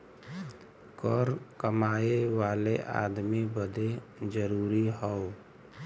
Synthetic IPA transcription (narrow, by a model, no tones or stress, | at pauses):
kɔɾkəmaːeʋaleʔa̰d̪mibəd̪ed͡ʒəɾuːɾiɦɔo